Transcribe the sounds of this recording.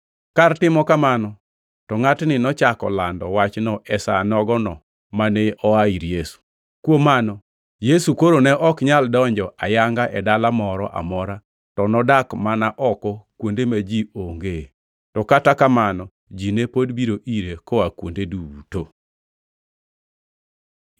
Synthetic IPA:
kartɪmɔkamanɔ | tɔŋatnɪnɔt͡ʃakɔ̰landɔwat͡ʃnɔʔɛsanɔɡɔnɔ | manɛɔaiɾjesu̥ | kwomanɔ | jesukoɾonɛʔɔkɲaldɔɲd͡ʒɔʔajaŋɡaʔɛdalamɔɾɔ̰ʔa̰mɔɾa | tɔnɔdakmanaʔɔkɔkwondemad͡ʒioŋɡe | tɔkatakamanɔ | d͡ʒinepodbiɾoʔiɾekɔakwondeduto

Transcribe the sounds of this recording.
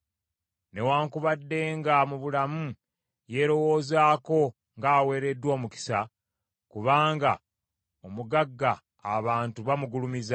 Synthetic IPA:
ne̞waːŋkuβadːe̞ːŋɡamuβulamu | je̞ːɾo̞wo̞ːzaːko̞ | ŋɡaːwe̞ːɾe̞dːwo̞ːmuki̥sa | kuβaːŋɡa̰ | omuɡaɡːaː | βaːntuβamuɡulumiza

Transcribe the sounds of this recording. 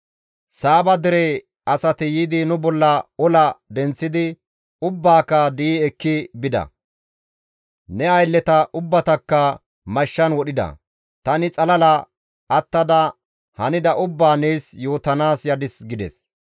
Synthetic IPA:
saːbɐd̪ɪɾɛ | ɐsɐt̪ɪjiːd̪ɪnʊbɔlːɐɔlɐd̪ɛnt͡sːɪd̪ɪ | ʊbːaːkːɐd̪iːɛkːɪbɪd̪ɐ̰ | nɛɐjlːɛt̪ɐʔʊbːɐt̪ɐkːɐ | mɐʃːɐnwɔɗɪd̪ɐ̰ | t̪ɐnɪt͡sʼɐlɐlɐ | ʔɐt̪ːɐd̪ɐ | hɐnɪd̪ɐʔʊbːaːneːsjo̞ːt̪ɐnaːsjɐd̪ɪsɡɪd̪ɛ̰s

